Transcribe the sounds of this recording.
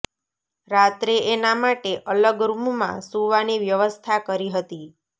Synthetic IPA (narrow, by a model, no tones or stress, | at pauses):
ɾat̪ɾeʔenamaʈeʔələɡɾummã̰suʋaniʋjəʋəst̪ʰakəɾiɦət̪i